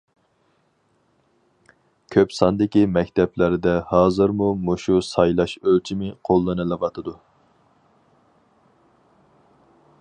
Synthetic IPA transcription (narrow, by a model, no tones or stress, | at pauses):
kʲʰøpsɑnd̪ɪkʲimɛkʲt̪ʰɛplɪɾɪd̪ɛhɑːzɨɾmumuʃusɑjlˠɑʃølt͡ʃʰimɪqʰolˠːɨnɨlˠɨvɑt̪ʰɨd̪u